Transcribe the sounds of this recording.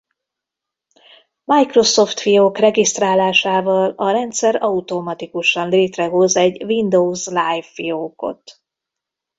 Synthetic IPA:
majkro̞so̞ft̪fioːkrɛɡist̪raːlaːʃaːvɒlɒɾɛnt̪sɛɾɒut̪omɒt̪ikuʃɒnleːt̪rɛɦo̞zɛɟvind̪owzlajfːioːko̞̰t̪

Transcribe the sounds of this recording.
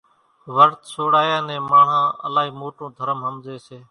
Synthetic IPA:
ʋəɾt̪soːɽaːjãːnẽːmãːɳ̤ãːə̰laːɦiːmoːʈõːd̪ʱəɾəmɦəmzeːseː

